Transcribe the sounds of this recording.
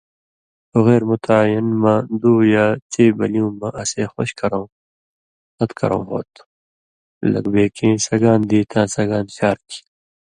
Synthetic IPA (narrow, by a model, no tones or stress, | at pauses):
oɣeːɾmut̪ʰaːjinmãd̪uːjaːt͡seːbɐliũːmaʔɐseːxoɕkɐɾõː | hɐt̪kʰɐ̰ɾõ̰ːɦo̰ːt̪ | lɐ̰ɡbeːkẽːsɐɡaːnd̪iːt̪ʰãːsɐɡaːnɕaːɾkʰi̥